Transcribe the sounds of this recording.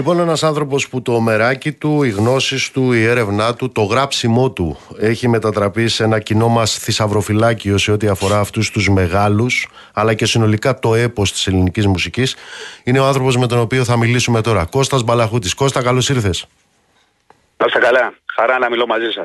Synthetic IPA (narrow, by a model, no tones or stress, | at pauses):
lipo̞ne̞nɐsɐnθɾo̞po̞sput̪o̞me̞ɾɐcit̪uiɣno̞sist̪uie̞ɾe̞vnɐt̪ut̪o̞ɣɾɐpsimo̞t̪ue̞çime̞t̪ɐt̪ɾɐpise̞nɐcino̞mɐsθisɐvɾo̞filɐcio̞se̞ot̪iɐfo̞ɾɐːft̪ust̪uzme̞ɣɐlus | ɐlɐce̞sino̞likɐt̪o̞e̞po̞st̪i̥se̞linicizmusicisine̞oɐnθɾo̞po̞zme̞t̪o̞no̞pio̞θɐmilisume̞t̪o̞ɾɐko̞st̪ɐzbɐlɐxut̪isko̞st̪ɐkɐlo̞siɾθe̞s | kost̪ɐkɐlɐxɐɾɐnɐmilomɐzisɐ